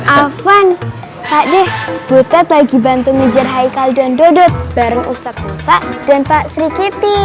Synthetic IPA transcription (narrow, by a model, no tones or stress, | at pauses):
ʔafan | paʔdɛhb̥ut̪ɛt̪laɡibant̪uŋəd͡ʒarɦaikaldandodɔt̪̚b̥aɾəŋṵsak̚usaʔ̚d̥anpaʔsɾikit̪i